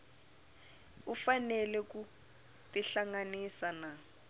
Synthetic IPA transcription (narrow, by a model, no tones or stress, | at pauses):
ufanɛlɛk̬u | tiɬaŋanisana